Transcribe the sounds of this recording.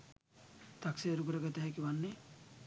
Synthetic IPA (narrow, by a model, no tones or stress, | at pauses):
t̪akseɐɾukuɾəɡat̪əɦɛkiʋanːe